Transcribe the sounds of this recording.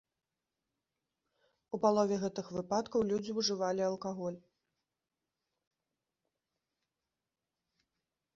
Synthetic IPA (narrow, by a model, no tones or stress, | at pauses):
upalˠɔvʲɛɣɛt̪ɨxvɨpat̪kɐwlʲud͡zʲiuʐɨvalʲiɐlˠkaɣɔlʲ